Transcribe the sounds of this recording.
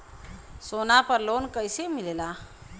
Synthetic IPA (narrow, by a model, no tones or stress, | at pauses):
sonapəɾlonkəjsemilela